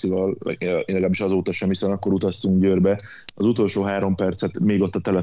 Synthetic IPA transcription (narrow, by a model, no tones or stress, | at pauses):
ivɒlɛ̰lɛɡlaːbiʃɒzoːt̪ɒʃɛmhisɛnɒkːo̞ɾut̪ɒst̪uŋɡɟøːrbɛ | ɒzut̪o̞lʃoːɦaːɾo̞mpɛrt̪sɛt̪meːɡo̞t̪ːɒt̪ɛlɛ